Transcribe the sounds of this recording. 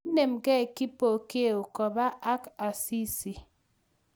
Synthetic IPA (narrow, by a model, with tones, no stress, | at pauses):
ne˨mɡɛ˦˨kɪ˦po˨ke˦˨o˨kɔ˨ba˦ʔa˦ka˨si˦si˨